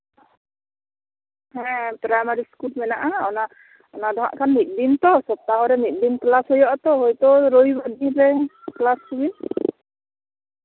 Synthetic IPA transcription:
hɛ̃pɾamaɾiskulmɛnaʔaɔna | ɔnad̪ɔɦa̰ʔkʰanmit̪̚ˀdint̪ɔsɔp̚t̪aɦɔɾɛmit̪̚ˀdinklashɔjɔʔɔt̪ɔɦojt̪ɔɾojbad̪iɾɛklasuɡin

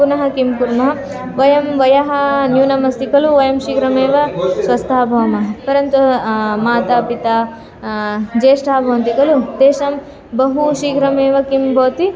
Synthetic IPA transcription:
unɐɦɐkimkuɾmɐɦɐ | ʋɐjɐmʋɐjɐɦɐnjuːnɐmɐst̪ikɐluʋɐjɐmʃiːɡɾɐmeːʋɐsʋɐst̪ʰaːbʱɐʋɐmɐɦɐpɐɾɐnt̪umaːt̪apit̪a | d͡ʒeːʂʈaːbʱɐʋɐnt̪ikɐlut̪eːʃɐm | bɐɦuʃiːɡɾɐmeːʋɐkimbʱɐːt̪i

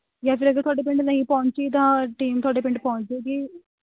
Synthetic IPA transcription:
jãːpɪɾəɡəɾt̪owaːɖeːp̬ɪ̃ɳɖnəĩpɔ̃ːʊ̃ɲt͡ʃiːt̪̬ãːʈiːmt̪oʊaːɖeːpɪ̃ɳɖpɔ̃ʊ̃ɲt͡ʃeːɡiː

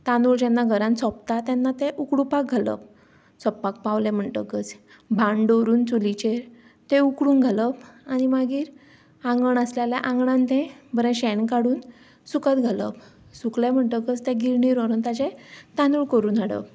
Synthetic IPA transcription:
t̪anuːɭd͡ʑɛnːaɡʱəɾãnt͡sɔpt̪at̪ɛnːat̪eʔukɽupak̚ɡʱalə̰b | t͡sɔpːak̚paʋlẽm̤əɳʈə̰kət͡s | bʱãɳɖoɾuːnt͡sulit͡ɕeɾ | t̪eukɽuːnɡʱaləpañimaɡiːɾ | ãŋɡəɳəsljaljaʔãŋɡɳãnt̪ẽbəɾɛ̃ɕɛnkaɽuːn | sukət̪ɡʱalə̰b | suklem̤əɳʈəkət͡st̪ẽɡiɾɳiːɾɔɾənt̪at͡ɕet̪anuːɭkəɾuːnaɽə̰p

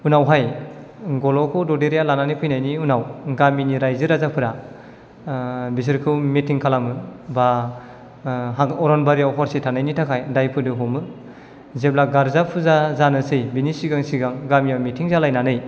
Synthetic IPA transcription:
unawɦaj | ɡɔlɔkʰɯwdɔdeɾijalananijpʰɯjnajniunawɡaminiɾajzɯɾazapʰɯɾa | bis̬ɯɾkʰɯwmitʰiŋkʰalamɯba | ɦaɔɾɔnbaɾijawɦɔɾsitʰanajnitʰakʰajdajpʰɯdɯɦɔmɯ | zeblaɡaɾzapʰuzazanɯsɯjbinisiɡaŋsiɡaŋɡamijawmitʰiŋzalajnanɯj

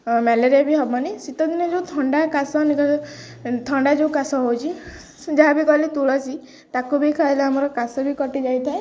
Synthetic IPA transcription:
mɛleɾiabiɦɔbanisit̪ɔd̪inɔd͡ʒeut̪ʰɔɳɖakasɔnikɔ | t̪ʰɔɳɖad͡ʒeũkasɔɦowt͡ʃʰi | d͡ʒaɦabikɔlet̪uɭɔsi | t̪akubʱikʰailaamɔɾɔkasɔbʱikɔʈid͡ʒajt̪ʰae

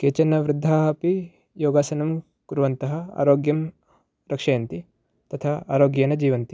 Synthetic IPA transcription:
keːt͡ʃɐnːɐʋɾɪd̪ʱːaːɦɐpi | joːɡaːsɐnɐm | kuɾʋɐnt̪ɐɦɐa̰ːɾoːɡjɐm | ɾɐkʂɐjɐnt̪i | t̪ɐt̪ʰaːaːɾoːɡjɐnɐd͡ʒiːʋɐnt̪i̥

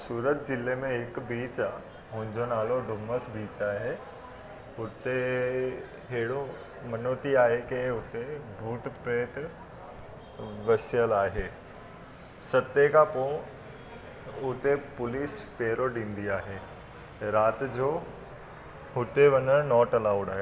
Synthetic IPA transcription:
suːɾət̪d͡ʑɪlemẽɦɪkbiːt͡ɕ | ɦʊ̃ɦɪ̃ɲd͡ʑonaːloɖʊməsbiːt͡ɕaːɦe | ʊt̪e | ɦɛɦɪɽo | mɐnot̪iaːɦekeʊt̪ebʱuːʈpɾeːt̪ | ʋɐsijəlaːɦeː | sɐt̪ekʰapo | ʊt̪epʊliːspeːɾoɗĩːnd̪iaːɦeː | ɾaːt̪d͡ʑoː | ɦʊt̪eʋɐnənɔːʈɐlaːʊɖaːɦe

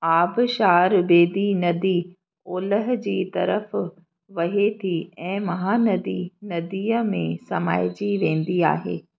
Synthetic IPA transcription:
aːbʃaːɾbeːd̪inɐd̪i | oːləɦ̆d͡ʑiːt̪ɐ̰ɾəf | ʋɐɦet̪ʰiɛ̃ːmɐɦaːnɐd̪inɐd̪iːəmẽsɐmaːɪd͡ʑiʋẽːn̆d̪ia̰ːɦḛː

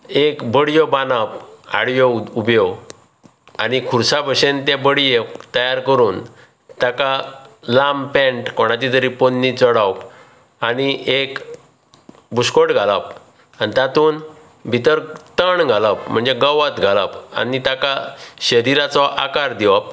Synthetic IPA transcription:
ekbəɽjɔbanapa̰ɽjɔubjɔ | a̰nikʰuɾsabʱəɕent̪ebəɽjet̪əjaɾkəɾuːn | t̪akalampẽɳʈkoɽ̃at͡ɕ̪it̪əɾiponːit͡sɔɽawp | aniek | buskoʈɡʱalap̚ | anit̪at̪uːn | bʱit̪əɾt̪əɳɡʱalap̚m̤əɳd͡zeɡəʋat̪ɡʱalapa̰nit̪akaɕəɾiɾat͡sɔʔa̰kaɾd̪iʋap̚

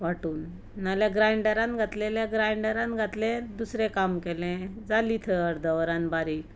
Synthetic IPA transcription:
ʋaʈuːnː | aljaɡɾajɳɖəɾãnɡʱat̪leljaɡɾajɳɖəɾãnɡʱat̪lɛ̃d̪usɾẽkamkɛlɛ̃d͡zalit̪ʰəəɾd̪ʱəʋəɾãnbaɾiːk

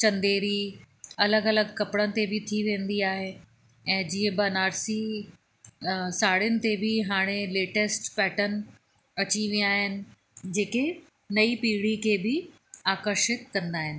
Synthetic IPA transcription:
t͡ɕɐ̃nd̪eːɾi | ɐləɡɐləɡkɐpɽənɪ̆t̪ebɪt̪ʰiʋẽːnd̪iaːɦe | ɛ̃ːd͡ʑiːə̃bɐnaːɾsi | saːɽɪjʊnɪ̆t̪ebɪɦaːɽ̃eleːʈesʈpɛːʈən | ɐt͡ɕiʋij̃aːɦɪnɪ̆ | d͡ʑeːke | nɐipiːɽikʰeːbɪ | aːkəɾʃɪt̪̚kɐ̃nd̪aːɦɪnɪ̆

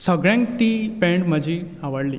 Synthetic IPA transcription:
səɡɭjãŋkt̪iːpẽɳɖm̤əd͡ʑʱiaʋəɽliː

